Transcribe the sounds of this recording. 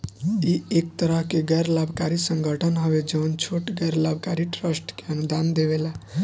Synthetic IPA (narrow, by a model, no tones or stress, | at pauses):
iek̚t̪əɾəɦkeɡɛɾlabʱkaɾisə̃ŋɡʱəʈʰənɦɔʋed͡ʒəʊnt͡ʃʰoʈɡɛɾlabʱkaɾiʈɾəsʈkeənud̪and̪eβela